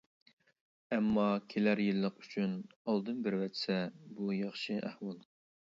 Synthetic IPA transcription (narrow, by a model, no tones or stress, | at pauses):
ɛmːɑkʲʰelæɾjɨlˠːəqy̥t͡ʃʰynɑlˠd̪ɨnbɪɾwɛt̪sɛbujɑχʃɨʔæ̰hwɑlˠ